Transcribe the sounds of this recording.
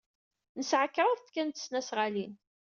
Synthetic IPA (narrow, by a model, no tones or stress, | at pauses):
nəsʕəkːɾˤəðθkːænt̪ə̥snæsʁalin